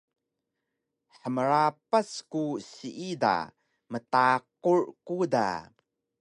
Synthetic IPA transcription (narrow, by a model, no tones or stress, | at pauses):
ħəməɾapaskusiʔida̰ | mətaqurkuda̰